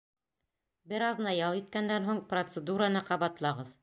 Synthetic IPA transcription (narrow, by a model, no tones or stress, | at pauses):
bɘɾɑðnɑjɑlˠit̪̚kænd̪ænɦuɴprot̪sɘd̪uɾɑnɤqɑβɑt̪lˠɑʁɤð